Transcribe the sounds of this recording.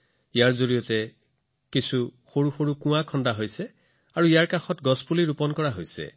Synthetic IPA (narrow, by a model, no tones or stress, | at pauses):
ijaɹzoɹijɔtɛ | kisʰuxoɹuxoɹukũakʰɔndaɦojsɛ | aɹuijaɹkaxɔtɡɔspuliɹupɔnkɔɹaɦojsɛ̰